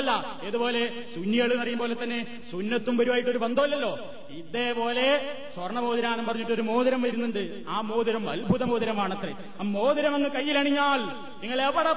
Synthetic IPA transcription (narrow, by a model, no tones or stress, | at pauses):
lːɐ | eðubo̞ːle̞ | sunːiɐɭɨnːɐrijumpo̞ːle̞t̪ːɐnːe | sunːɐt̪ːumʋɐɾuʋaːjiʈːo̞ɾubɐnd̪ʱoːlːɐlːo̞ː | iðe̞po̞ːle̞ | swɐrɳɐmo̞ːðiɾaːnɐmpɐrɐɲːiʈːo̞ɾumoːðiɾɐmʋɐjɾunːuɳɖɨ | aːmoːðiɾɐmɐ̰lbʱuðɐmoːðiɾɐmaːɳɐt̪rḛ | mo̞ːðiɾɐmɐŋːɨkɐjːilɐɳiɲːaːl | niŋːɐɭepːɐɽɐ